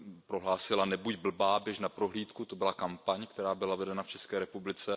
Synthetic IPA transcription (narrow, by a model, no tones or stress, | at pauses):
pɾoɦlaːsɪlanɛbuɟbl̩baːbjɛʒnapɾoɦliːt̪kut̪obɪlakampaɲkt̪ɛɾaːbɪlavɛdɛnaft͡ʃɛskɛːɾɛpublɪt͡sɛ